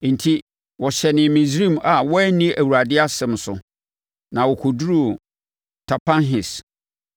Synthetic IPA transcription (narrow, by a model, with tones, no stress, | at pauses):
n̩˨tʰi˦ | wɔ˨ɕɛ˨nɪ̃˨mĩ˨sɾĩ˦˨ma˨wɔ˦ɛ˦nĩ˦ʔæ˨wu˨ɾa˨dɪ˦a˦sɛ̃˨m˨sʊ̰˨ | nã˨wɔ˨kʰʊ˨du˦ɾu˦˨ | tʰa˨pã˦nɦɪ˨s